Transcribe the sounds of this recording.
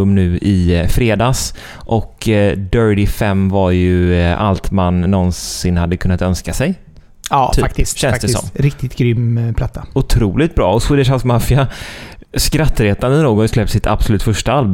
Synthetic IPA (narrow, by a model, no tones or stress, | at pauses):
mːnʉ̟ːɪfɾeːd̪ɑːs | ʔɔkd̪œːɹɖɪfɛmːvaɾjɵa̰lt̪manːɔnsɪnhad̪ːəkʰɵnːat̪œnskasɛj | ɑykt̪sɕɛnt̪əsɔ̰mːɾɪk̚t̪ɪt̪ɡɾʏmːpʰlat̪ʰːaʊt̪ʰɾuːlɪt̪̚bɾɑːɔsɪd̪əʂalkmafɪa | skɾat̪ːɾeːt̪and̪ənoːɡɔslɛp̚t̪sɪt̪ʰa̰b̥sɔlʉːt̪fœʂʈaalb